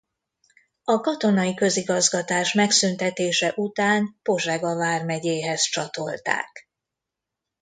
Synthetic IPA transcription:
ɒkɒt̪o̞nɒjikø̞ziɡɒzɡɒt̪aːʃmɛksynt̪ɛt̪eːʃɛʔut̪aːnpo̞ʒɛɡɒvaːrmɛɟeːɦɛzt͡ʃɒt̪o̞lt̪a̰ːk

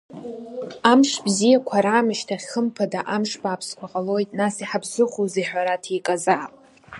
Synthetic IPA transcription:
amʂbzijakʷʰaɾaːmɨʃtʰaχʲəmpʰadaʔamʂbaːpʰskʷʰaqʼalo̞jtʼnasiħabzʷɨχoziħʷᶣaɾatʰijkʼazaːpʼ

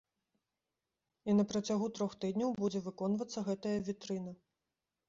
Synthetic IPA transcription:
inɐpɾɐt͡sʲaɣut̪ɾɔxt̪ɨd̪ʲnʲɐwbud͡zʲɛvɨkɔnvɐt̪sːɐɣɛt̪ɐjɐvʲit̪ɾɨnɐ

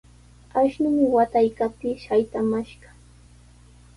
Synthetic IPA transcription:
aʃnʊmɪwat̪ajkap̚t̪ɪʃajt̪amaʃɢɑ̥

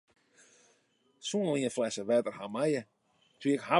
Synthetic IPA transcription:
suənliənflɛsəʋɛtərhamajə | tʰiəkha

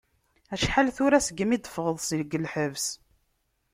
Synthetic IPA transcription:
æʃħalθʊɾæsəɡəmid̪əfʁəðˤsiləɡːəlħəvs

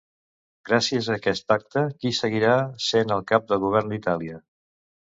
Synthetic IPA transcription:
ɡ̥ɾasiəzəːkɛst̪ak̚t̪əkisəɣ̞iɾasenəlˠkap̚d̪əlˠɣuβ̞ɛrnd̪it̪aliə

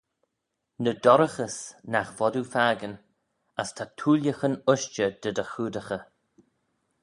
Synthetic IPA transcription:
nəd̪ɔɾəxəsnaxvɔdufaːɡən | astʰatʰuːljəxənʊʃt͡ʃəd̪̥ədəxuːdəxə

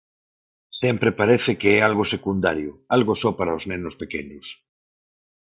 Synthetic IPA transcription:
sɛmpɾepaɾɛθekeɛalɣosekund̪aɾjʊalɣosɔpaɾaoznenʊspekeɲʊs

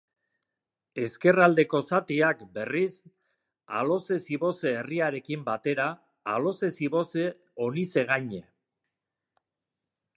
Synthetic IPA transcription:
e̞ske̞rald̪e̞ko̞sat̪iakbe̞ris | a̰lo̞se̞siβo̞seːriaɾe̞kimbat̪e̞ɾaː | lo̞se̞siβo̞se | o̞nise̞ɣ̞aɲe̞

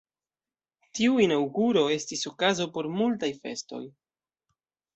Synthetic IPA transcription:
tiuinawɡuɾo̞e̞stiso̞kazo̞po̞ɾmultajfe̞̰sto̞̰j

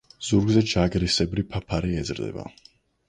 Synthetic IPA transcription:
z̥uɾɡzɛd͡ʒaɡɾisɛbɾipʰapʰaɾiɛd̪zɾd̪ɛ̰ba̰

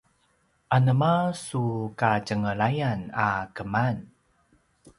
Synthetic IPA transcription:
ʔanəmasukacəŋəɭajana̰kəman

